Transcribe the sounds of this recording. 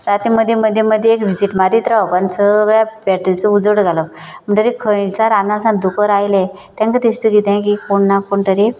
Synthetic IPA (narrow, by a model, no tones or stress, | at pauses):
ɾat̪iməd̪ʱjeməd̪ʱːjeməd̪ʱjeːkʋid͡ziʈmaɾit̪ɾaɔkansəʋjapɛʈət͡səud͡zəɽɡʱaləpm̤əɳʈəɾikʰə̃jt͡saɾamnasãd̪ukəɾajle | t̪ãŋkət̪ist̪əɡit̪ãk̬ikoɳːakoɳt̪əɾi